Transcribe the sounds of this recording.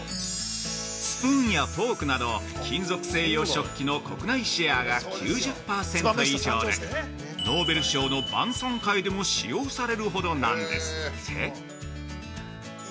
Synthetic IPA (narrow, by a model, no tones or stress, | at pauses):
spɯ̃ːɰ̃jat̪o̞ːkɯ̟nad̪o̞ | kʲĩnzo̞kɯ̟̥se̞ːjo̞ɕo̞kʲːino̞ko̞kɯ̟naiɕiaɡakʲʰɨːʑɨpːaːsẽ̞nt̪oiʑoːd̪e | no̞ːbe̞ɾɯ̟ɕo̞ːno̞bã̰ɰ̃sõŋkaid̪e̞mo̞ɕijo̞ːsaɾe̞ɾɯ̟ɦo̞d̪o̞nã̰nd̪e̞̰sɨ̥e